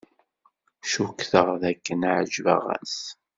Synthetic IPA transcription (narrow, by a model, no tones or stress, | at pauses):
ʃukθəʁðækːənʕəd͡ʒvə̰ʁæ̰s